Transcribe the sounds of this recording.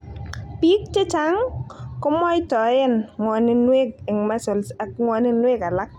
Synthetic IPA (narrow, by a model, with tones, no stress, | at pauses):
pi˦k̚t͡ʃe˦t͡ʃa˨˦ŋkʊ˦mɔ˦jtɔ˨e˦nŋwɔ˨ni˦nwe˦ɡ̚e˨ŋma˦so˨lsa˦kŋwɔ˨ni˦nwe˦ka˨la˦k̚